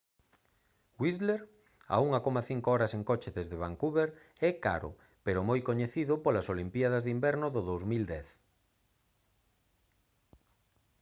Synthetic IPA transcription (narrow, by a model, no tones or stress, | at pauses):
wizleɾ | a̰uŋakomaθiŋkoɔɾaseŋkot͡ʃeðezðeβ̞aŋkuβeɾɛka̰ɾʊ̰ | peɾʊmojkoɲeθiðʊpolasolimpjað̞azðimbɛɾnʊðʊðowzmild̪ɛθ